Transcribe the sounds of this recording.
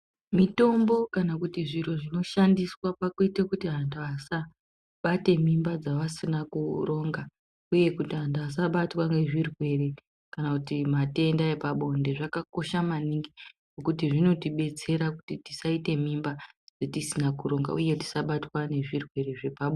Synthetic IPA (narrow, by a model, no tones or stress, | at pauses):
mito̞mbo̞kanakutiʐiroʐino̞ʃandiswapakoitekutiɦanduasa | ɓate̞mimbad͡zaʋasinakuro̞ːŋɡa | uje̞kutiɦandas̬aɓatwaŋɡe̞ʐirwe̞re̞ | kanakutimate̞ndaepaɓo̞nde̞ʐakako̞ʃamaniŋɡiɡokut̬iʐino̞tiɓe̞t͡se̞ɾakutitisaite̞mimbad͡zetisinakuɾo̞ŋɡa̰ʔuje̞ti̥saɓatwane̞ʐirwe̞reʐe̞paɓo